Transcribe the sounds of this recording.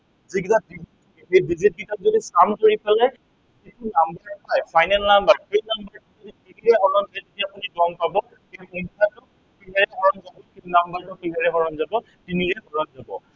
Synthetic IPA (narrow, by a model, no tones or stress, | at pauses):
ziɡitabizʰ | ejbizit̚ɡitap̚zodisamkoɹipalɛ | titunambaɹpajpʰajnɛlnambaɹkejnambaɹtɔzoditiniɹɛɦɔɹɔmɛjtetiapʊnidɔŋpabɔ | eɔntʰatʊ | piɦaɹɛhɔɹɔmzabɔkinambaɹtʊpiɦaɹɛɦɔɹɔmzabɔ | tiniɹɛbɔɹɔmzabɔ